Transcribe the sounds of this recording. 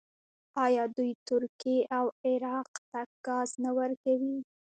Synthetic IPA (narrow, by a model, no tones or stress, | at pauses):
ɑjɑd̪ujt̪ʊɾkeʔawɪɾɑqt̪aɡ̥ɑznawəɾkawi